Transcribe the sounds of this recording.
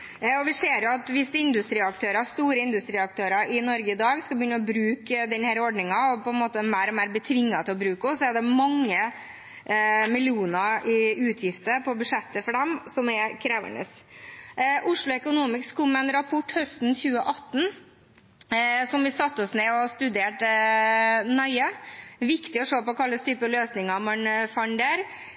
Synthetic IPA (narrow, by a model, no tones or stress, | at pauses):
ɔʋɪseːɾjʊɑt̪ʋɪsɪnd̪ʉst̪ɾiːɑk̚t̪ʰøːɾɑst̪uːɾəɪnd̪ʉst̪ɾiːɑk̚t̪ʰøːɾɑʔɪnɔɾɡəɪd̪ɑːɡskɑbjʏnːəɔbɾʉːkd̪ɛnhæːɾɔɖɳɪŋɑɔpʰɔɛnmoːt̪əmæɪɾɔmæːɾbət̪ʰʋɪŋːɑt̪ɪlɔbɾʉːkɔsɔɛɖ̪ɛmɑŋːə | mɪlɪuːnəɪʉːt̪ʰjɪft̪əpʰɔbʉʂɛt̪ːəfɔɖɛmsɔmɛkʰɾæːʋə̰ɳə̰s | ʔʊʂɭʊɛkʊnuːmɪkskʰʊmɛnɾɑpʰɔʈːhœst̪nçʉːəʔɑt̪ːn̩ | sɔmʋɪsɑt̪ːɔsnɛɔst̪ʉd̪eːʈ | nɑɪəʋɪkt̪ɪɔʂoːpɔkʰɑlːəst̪ʰyːpəløːsnɪŋɑmɑnfɑnɖ̪æːɾ